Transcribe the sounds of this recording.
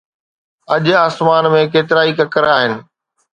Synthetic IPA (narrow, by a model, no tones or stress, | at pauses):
ɐʄaːsmaːnmẽkeːt̪̬ɪɾaːikəkɐɾaːɦɪnɪ̆